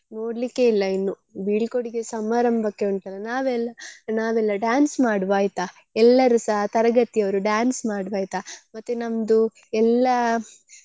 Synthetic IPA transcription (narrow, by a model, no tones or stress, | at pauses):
no̞ːɖlikːe̞ilːɐinːu | biɭikoɽiɡe̞sɐmaːɾɐmbʱɐkːe̞uɳʈ̪ɐlːɐnaːʋɛlːɐnaːʋɛlːɐɖjaːnsmaːɽʋaːjit̪a | ɛlːɐɾusɐɦɐt̪ɐɾɐɡɐt̪ijɐʋɐɾuɖaːnsmaːɽʋaːjt̪amɐt̪ːenɐmd̪u | ɛlːɐ